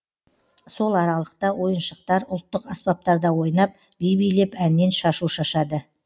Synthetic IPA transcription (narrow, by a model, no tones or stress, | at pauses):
so̞lˠɑɾɑlˠəq̚t̪ɑwʔo̞jənʃəq̚t̪ɑɾʊlˠt̪ːəqɑspɑp̚t̪ɑɾd̪ɑwo̞jnɑp̚ | b̥ejbijle̞pænːe̞nʃɑʃuʃɑʃɑd̪ə